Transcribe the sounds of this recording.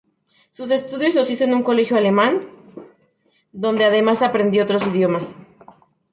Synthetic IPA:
sus̬e̞st̪uðjo̞zlo̞sisonuŋko̞le̞xjoale̞mãn | d̪o̞nd̪e̞aðe̞masapɾend̪joot̪ɾo̞siðjo̞mas

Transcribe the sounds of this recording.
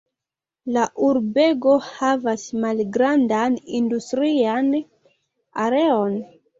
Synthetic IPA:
laʔuɾbe̞ɡo̞havasmalɡɾandanindustɾian | aɾe̞o̞n

